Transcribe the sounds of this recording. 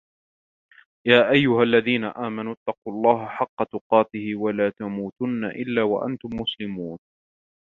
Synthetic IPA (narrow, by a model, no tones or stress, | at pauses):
jaːʔajːʊhalːaðiːna̰ʔaːmanʊt̪ːɑquːɑlˤːɑːɦaħɑqːɑt̪ʊqɑːt̪ɪhɪwalaːt̪amuːt̪ʊnːa̰ʔɪlːaːwa̰ʔa̰nt̪ʊmːʊslɪmuːn